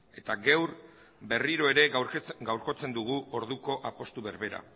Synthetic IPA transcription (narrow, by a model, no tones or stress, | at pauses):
e̞t̪aɡewɾ | be̞riɾo̞e̞ɾe̞ɡawɾko̞t͡se̞nd̪uɣ̞uo̞ɾð̞uko̞ʔapo̞st̪uβe̞ɾβe̞ɾa̰